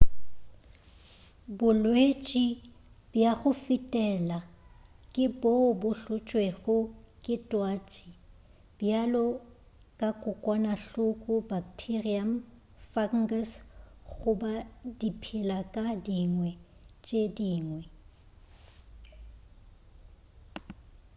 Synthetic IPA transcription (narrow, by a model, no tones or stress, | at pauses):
bʊlwet͡ʃʼi | bjaɣʊfitʼɛlakʼɪbobʊɬʊt͡ʃʼweɣʊkʼɪtʼwat͡ʃʼi | bjalɔ | kʼakʼʊkʼwanaɬʊkʼʊbaktʰiriam | faŋ̩ɡasɣʊbadipʰilakʼadiŋwɛt͡ʃʼediːŋwɛ